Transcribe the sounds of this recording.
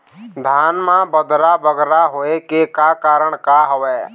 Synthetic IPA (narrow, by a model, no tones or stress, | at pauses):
d̪ʱaːnmãːbəd̪ʱɾaːbəɡɾaɦoːeːkeːkaːkaːɾəɳkaːɦəʋɛː